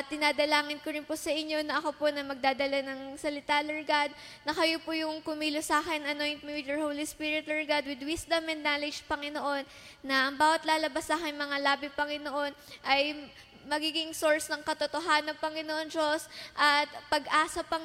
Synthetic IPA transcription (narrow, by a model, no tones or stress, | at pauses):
ɐt̪̚d̪ɪnaːd̪ɐlaːŋɪnkoɾɪnpʊsɐʔɪɲːo̞nɐʔɐko̞ponɐmɐɡ̚d̪aːd̪ɐlɐnɐŋsɐlɪt̪alɛɹɡad̪̚ | nɐkɐjopʊjʊŋkʊmiːlosaːkɛnɐno̞jnt̪̚mɪwɪjɛɹhowlispiɹɪt̪lɛɹɡad̪̚wɪd̪wisd̪ɐmɛnd̪̚naːlɪd͡ʒpɐŋɪnoʔo̞nː | ɐʔɐŋbaːwɐt̪laːlɐbasaːkɛnmɐŋalaːbɪpɐŋɪnoʔo̞nʔɐj | mɐɡiːɡɪŋso̞ɹsnɐŋkɐt̪ot̪oɦanːɐŋpɐŋɪnoʔond͡ʒo̞sʔɐt̪̚pɐɡʔaːsɐpɐŋ